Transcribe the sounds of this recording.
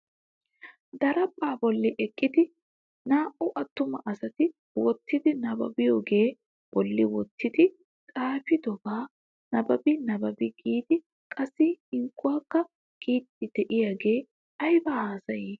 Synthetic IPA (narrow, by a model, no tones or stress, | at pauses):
d̪ɐɾɐbːaːbɔlːɪʔɛkʼːɪd̪ɪ | naːʔʊʔɐt̪ːʊmɐ̰ʔɐsɐt̪ɪ | wɔt̪ːɪd̪ɪnɐbɐ̰bɪjoːɡe̞ː | b̥ɔlːɪwɔt̪ːɪd̪ɪ | tʼaːfɪd̪ɔbaː | nɐbɐbɪnɐbɐbɪɡiːd̪ɪ | kʼɐsːɪŋkːʊwaːkːɐ | ɡ̥iːt̪ːɪd̪̥ɛʔɪjaɡe̞ː | ɐjbɐhaːsɐjiː